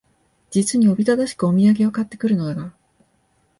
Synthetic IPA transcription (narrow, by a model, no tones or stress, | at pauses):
d͡ʑit͡sɨɲ̟io̞bʲit̪ad̪aɕi̥kɯo̞mʲiaɡʲe̞o̞kat̪ːe̞kɯ̟ɾɯ̟no̞d̪aɡa